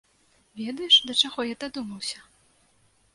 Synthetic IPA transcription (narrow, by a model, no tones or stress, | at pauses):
vʲɛd̪ɐjɛʂd̪ɐt͡ʂaɣɔjat̪ad̪umɐwsʲɐ